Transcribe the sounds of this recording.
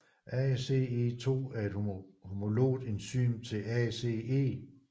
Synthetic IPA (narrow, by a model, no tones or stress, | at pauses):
ʔɛse̝e̝t͡sʰo̝̰ːæɐe̝d̥hhomo̝lo̝̰ːdˠe̝nsy̰ːnt͡sʰe̝lɛse̝e̝̰ː